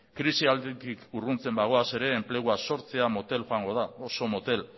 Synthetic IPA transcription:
kɾisiald̪et̪ikurunt͡se̞mbaɣ̞o̞ase̞ɾe̞ːmple̞ɣ̞uaso̞ɾt͡seamo̞t̪e̞lxoaŋɡo̞ð̞aoso̞mo̞t̪e̞l

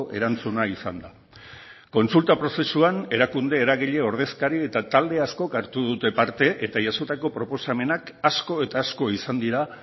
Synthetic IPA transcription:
ʔe̞̰ɾant͡sunaisa̰nd̪a | ko̞nsult̪apɾo̞se̞suane̞ɾakund̪e̞ːɾaɣiʎe̞o̞ɾð̞e̞skaɾie̞t̪at̪ald̪e̞asko̞kaɾt̪uð̞ut̪e̞paɾt̪e̞ʔet̪aʝasot̪ako̞pɾo̞po̞same̞nakasko̞e̞t̪aːsko̞isand̪iɾa

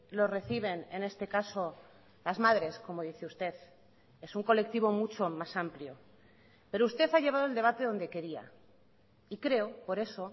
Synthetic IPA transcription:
lo̞re̞θiβ̞e̞nene̞st̪e̞kaso̞ | lazmaðɾe̞sko̞mo̞ðiθeust̪e̞θ | e̞suŋko̞le̞k̚t̪iβo̞mut͡ʃo̞masampljo | pe̞ɾoust̪e̞θaʝeβað̞old̪e̞β̞at̪e̞ð̞o̞nd̪e̞ke̞ɾia̰ | ikɾe̞opo̞ɾe̞so̞

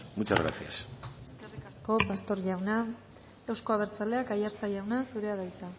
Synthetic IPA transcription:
mut͡ʃazɣɾa̰sia̰seske̞rikasko̞past̪o̞ɾʝawna | e̞wsko̞aβ̞e̞ɾt͡sale̞akajaɾt͡saʝawnasuɾe̞aðajt̪a

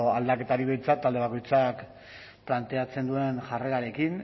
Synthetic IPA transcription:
ald̪ake̞t̪aɾiβejnt͡sat̪ːald̪eako̞jt͡sak | plant̪e̞at͡se̞nd̪ue̞nʝare̞ɾaɾe̞kin

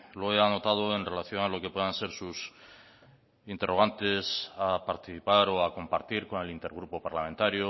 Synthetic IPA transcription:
lo̞e̞ano̞t̪að̞o̞e̞nre̞laθjo̞nalo̞ke̞pwe̞ðãnse̞ɾsus | int̪e̞rʔo̞ɣ̞ant̪e̞sapaɾt̪iθipaɾo̞ako̞mpaɾt̪iɾko̞ne̞lint̪e̞ɾɣ̞ɾupo̞paɾlament̪aɾjo

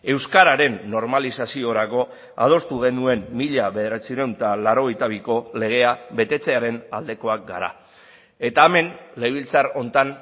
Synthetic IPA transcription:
e̞wskaɾaɾe̞nːo̞ɾmalisasio̞ɾako̞ | a̰ð̞o̞st̪uɣ̞e̞nue̞mːiʎaβe̞ðe̞ɾat͡siuɾewnt̪alaɾo̞ɣ̞e̞jt̪aβ̞iko̞le̞ɣ̞e̞aβe̞t̪e̞t͡se̞aɾe̞nald̪e̞ko̞ak̚ɡa̰ɾa̰ | e̞t̪aːme̞nle̞β̞ilt͡saɾo̞nt̪an

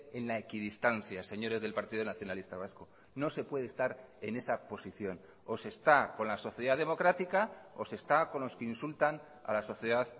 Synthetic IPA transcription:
e̞nlaekiðist̪an̟θjase̞ɲo̞ɾe̞zðe̞lpaɾt̪iðonaθjo̞nalist̪aβ̞asko | no̞se̞pwe̞ðest̪aɾe̞ne̞sapo̞siθjo̞n | o̞se̞st̪ako̞nlaso̞θjeðaðe̞mo̞kɾat̪ikaose̞st̪ako̞nlo̞skeinsult̪an | a̰laso̞θjeðað

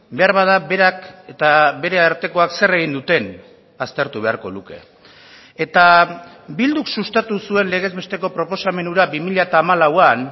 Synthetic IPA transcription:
be̞aɾβað̞aβe̞ɾaket̪aβe̞ɾe̞aɾt̪e̞ko̞akse̞re̞ɣ̞ind̪ut̪e̞n | ast̪e̞ɾt̪uβe̞a̰ɾko̞luke̞̰ | et̪a | bild̪uksust̪at̪usue̞nle̞ɣ̞e̞zβe̞st̪e̞ko̞pɾo̞po̞same̞nuɾaβimiʎaet̪aːmalawan

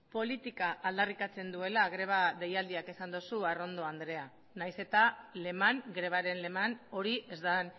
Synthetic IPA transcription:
po̞lit̪ikaʔaːld̪arikat͡se̞nd̪ue̞laːɣɾe̞β̞aðe̞jald̪iake̞sand̪osuaro̞nd̪o̞and̪ɾe̞a | najse̞t̪ale̞maŋɡɾe̞β̞aɾe̞nle̞mano̞ɾiʔe̞zd̪an

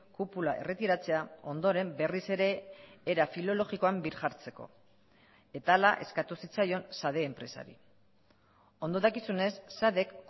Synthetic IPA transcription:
kupulaʔe̞̰re̞t̪iɾat͡se̞ao̞nd̪o̞ɾe̞mbe̞rise̞ɾe̞ːɾafilo̞lo̞ɣiko̞ambiɾʝaɾt͡se̞ko̞̰ | e̞t̪aːlaʔe̞̰skat̪usit͡sajo̞nsað̞e̞ːmpɾe̞sa̰ɾḭ | o̞nd̪oðakisune̞sːaðe̞kː

